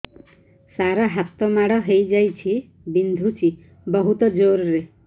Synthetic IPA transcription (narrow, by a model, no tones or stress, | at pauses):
saɾaɦat̪ːɔmaɽɔɦejd͡ʒajt͡ʃʰi | bind̪ʱut͡ʃi | bɔɦut̪ɔd͡ʒoɾɾe